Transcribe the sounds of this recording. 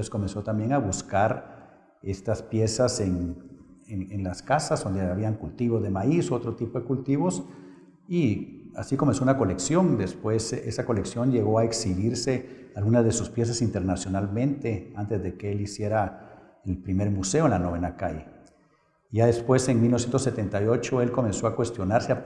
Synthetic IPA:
esko̞me̞nso̞t̪ambje̞ŋaβuskaɾ | e̞st̪aspje̞sasen | enenlaskasazd̪o̞nd̪eaβiaŋkult̪iβo̞zðe̞maisoo̞t̪ɾot̪ipo̞ðekult̪iβo̞s | ia̰sikome̞nso̞unako̞le̞ksjo̞nd̪espwe̞sesako̞le̞ksjo̞nd͡ʒe̞ɣo̞aeksiβiɾse̞alɣunazðesuspje̞s̬asint̪eɾnasjo̞nalmẽ̞nt̪e̞ant̪e̞zðe̞keelisje̞ɾa | elpɾime̞ɾmuse̞oenlanoβe̞naka̰jḛ | ʝaðespwe̞se̞ŋmilnosjent̪oset̪e̞nt̪ajo̞t͡ʃo̞e̞lko̞mẽ̞nso̞akwe̞st̪jo̞naɾse

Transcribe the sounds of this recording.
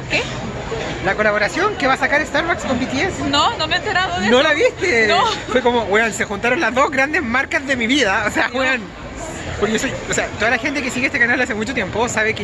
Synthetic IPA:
ke | lakolaβoɾasjo̞ŋkeβasakaɾest̪aɾβakskombit̪jesnonoment̪eɾaðonnolaβist̪efwekomo̞ɣweansexunt̪aɾonlazðo̞zɣɾand̪ezmaɾkazðe̞miβiðaoseaɣwean | poɾkoseoseat̪oðalaxe̞nt̪e̞kesiɣeest̪ekanald̪as̬emut͡ʃot̪je̞mposaβeke

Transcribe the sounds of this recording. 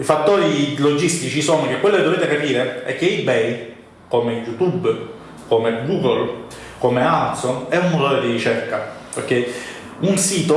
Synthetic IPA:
ifat̪ːoːɾilod͡ʒist̪it͡ʃisoːnok̟ekːwelːoked̪ːoveːt̪ekapiːɾeɛ̰k̟ːeibɛj | komejut̪ub | komeɡuːɡol | komeamat̪sonɛumot̪oɾed̪irit͡ʃɛrka | okːɛji | unsiːt̪o

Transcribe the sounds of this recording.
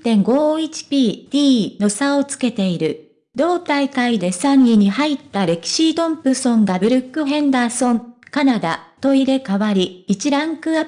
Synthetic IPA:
t̪ẽ̞ŋɡo̞ːit͡ɕi̥pʲiːd̪̥ʲiːno̞sao̞t͡sɨ̥ke̞t̪e̞iɾɯ̟ | d̪o̞ːt̪aikaid̪e̞sãɲːiɲ̟ihait̪ːaɾe̞kʲi̥ɕid̪õ̞mpɯ̟sõ̞ŋɡabɯ̟ɾɯ̟kːɯ̟ɦẽ̞nd̪aːsõ̞nkanad̪a̰t̪o̞iɾe̞kaβaɾʲiːt͡ɕiɾãŋkɯ̟a

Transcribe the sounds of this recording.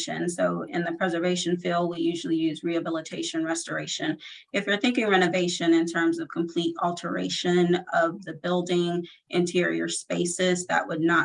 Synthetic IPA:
ʃɨ̰̃nsoʊɪ̰̃nðɨpʰɹ̥ɛzə˞veɪʃɨ̃n̩filˠd̚wijʉʒl̩ˠijʉzɹiɨbɪlˠətʰeɪʃɨ̃nɹɛstə˞eɪʃɨ̃n | ɨfjə˞θɪ̃ŋkɪ̃ŋɹɛñɨveɪʃɨ̃nɨ̃ntʰɜ̃˞mzʌv̥kʰm̩pʰl̥iɾɔlˠtʰə˞ḛɪʃɨ̃nʌvðɨbɪlˠdɪ̃ŋʔɨ̃ntʰɪɹḭə̰˞speɪsɪzðɨ̰ʔwədⁿnə

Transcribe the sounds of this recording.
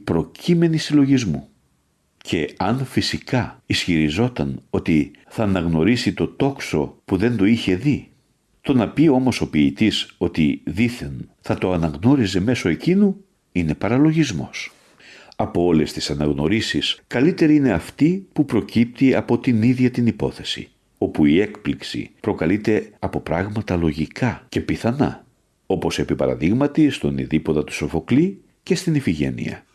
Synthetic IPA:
pɾo̞cʰime̞nisilo̞ʝizmu | cʰe̞ɐnfisikɐisçiɾizo̞t̪ɐno̞t̪i | θɐːnɐɣno̞ɾisit̪o̞t̪o̞kso̞puðe̞nd̪o̞içe̞ði | t̪o̞nɐpio̞mo̞so̞piːt̪iso̞t̪iðiθe̞nθɐt̪o̞ɐnɐɣno̞ɾize̞me̞so̞e̞cinu | ine̞pɐɾɐlo̞ʝizmo̞s | ɐpo̞o̞le̞st̪isɐnɐɣno̞ɾisiskɐlit̪e̞ɾiine̞ɐft̪ipupɾo̞cip̚t̪iɐpo̞t̪iniðʝɐt̪inipo̞θe̞sḭ | o̞puie̞kpliksḭpɾo̞kɐlit̪e̞ɐpo̞pɾɐɣmɐt̪ɐlo̞ʝikɐce̞piθɐnɐ̰ | o̞po̞se̞pipɐɾɐ̰ðiɣmɐt̪ist̪o̞nḭðipot̪ɐt̪u̥so̞fo̞kli | ce̞st̪inifiʝe̞̰nḭɐ̰

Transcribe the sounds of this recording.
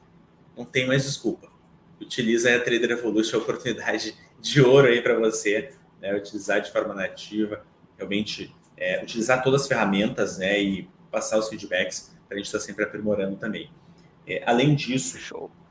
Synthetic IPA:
nɐ̃w̃t̪ẽj̃ʊmajzd͡ʒɪskupɐ | ut͡ʃilizɐɛt̪ɾejd̪eɾevolusʊɐopoɾt̪unid̪ad͡ʒɪ | d͡ʒɪoɾʊaipɾɐvose | nɛut͡ʃilizaɾd͡ʒɪfɔɾmɐnat͡ʃivɐ | heaw̃mẽnt͡ʃɪ | ɛut͡ʃilizaɾt̪od̪ɐzɐsfeɦamẽnt̪ɐznɛɪ | pasaʊsfid͡ʒɪbɛkɪ̥spɾɐʒẽnt͡ʃɪ̥st̪aɾsẽmpɾɪapɾimoɾɐ̃nd̪ʊt̪ɐ̃mbẽj̃ | ɛ̰ʔalẽj̃d͡ʒisʊʃo̰w

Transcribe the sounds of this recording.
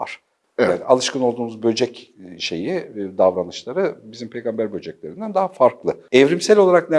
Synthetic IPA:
va̰ɾ̥ | a̰ːniʔalˠɯʃkʰɯno̞lˠd̪uːmuzbø̞d͡ʒɛcʃe̞̰jid̪avɾanɯʃlˠaɾɯbizimpʰe̞jɡambæɾbø̞d͡ʒɛclʲe̞ɾind̪ænd̪aɦafaɾklˠɯɛvɾimsɛlʲo̞lˠaɾak̚nɛ

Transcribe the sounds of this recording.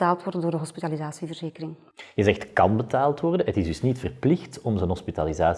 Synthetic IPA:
aːlˠtʋɔrdəndoːrdəɦɔspitalizaːsivərzeːkəɾɪŋ | ɣəzɛxtkɑnbətaːlˠtʋɔrdənɦətɪzdɵsnitfərplɪxtɔmzənɦɔspitalizaː

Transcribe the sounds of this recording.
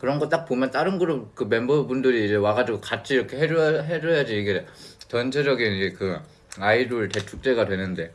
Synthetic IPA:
kɯɾʌnɡʌt͈ak̚p͈omjʌnt͈aɾɯnɡɯɾokɯme̞mbʌbundɯɾiːd͡ʑe̞waɡad͡ʑiɡokat͡ɕʰiiɾʌkʰe̞ɦed͡ʑʌɦed͡ʑʌɦjad͡ʑiiɡet͡ɕʌnt͡ɕʰed͡ʑʌɡinid͡ʑekɯ | aiɾuɭte̞tʰuk̚t͡ɕ͈e̞ɡadwe̞nɯnde̞

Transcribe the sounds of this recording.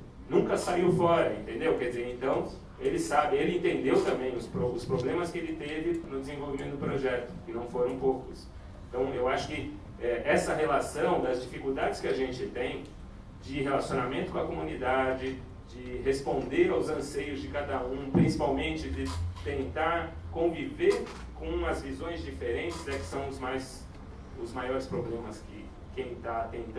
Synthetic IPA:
nũŋkɐsaiwfɔɾɐḛ̃nt̪ẽnd̪ewkɛd͡ʒizeẽnt̪ɐ̃w̃ | elɪsabɪelɪẽnt̪ẽnd̪ewt̪ɐ̃mbẽj̃ʊspɾoʊspɾoblẽmɐskɪelɪt̪evɪnʊd̪ɪzẽvowvimẽt̪ʊd̪ʊpɾoʒɛt̪ʊ̥kɪnɐ̃w̃foɾɐ̃w̃powkʊs | ẽnt̪ɐ̃w̃ewaʃʊ̥kɪ | ɛʔɛsɐɦelasɐ̃w̃d̪ɐzd͡ʒifikuwd̪ad͡ʒɪskɪaʒẽnt͡ʃɪt̪ẽj̃ | d͡ʒɪɦelasijonamẽnt̪ʊkõɐkomũnid̪ad͡ʒɪ | d͡ʒɪɦespõnd̪eɾawzɐ̃sejʊzd͡ʒɪkad̪ɐũpɾĩsipawmẽnt͡ʃɪd͡ʒɪt̪ẽnt̪aɾkõviveɾkõɐzvizõj̃zd͡ʒifeɾẽnt͡ʃɪzɛkɪ̥sɐ̃w̃ʊzmajs | ʊzmajɔɾɪspɾoblẽmɐskɪ | kẽj̃t̪at̪ẽnt̪

